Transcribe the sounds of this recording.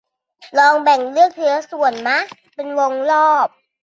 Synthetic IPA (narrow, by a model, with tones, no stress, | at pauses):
lɔː˧ŋbɛ˨˩ŋlɯ˥˩ək̚t̪ʰɯ˨˦ɐsu˨˩ənma˦˥ | pe˧nwo˧ŋlɔː˥˩p̚